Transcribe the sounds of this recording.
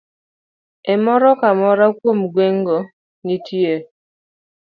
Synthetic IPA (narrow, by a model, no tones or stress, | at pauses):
ɛmɔɾɔkamɔɾakwomɡweŋɡo | nitʰje